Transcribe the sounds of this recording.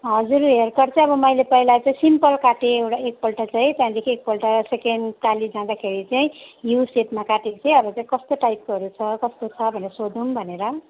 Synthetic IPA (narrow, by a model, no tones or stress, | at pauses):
ɦʌd͡zuɾɦerkʌrt͡sʰʌ̃ĩʌbʌmʌjlepʌilat͡saĩsimpʌlkaʈeewʈaek̚pʌlʈat͡saj̃t̪jãd̪ekʰiek̚pʌlʈasekeɳɖt̪alid͡zãd̪akʰeɾit͡saĩjusepmakaʈet͡sʰeĩʌbʌt͡saĩkʌst̪oʈajp̚ɦʌɾut͡sʰʌkʌst̪ot͡sʰʌbʱʌneʌsod̪umbʱʌneɾʌ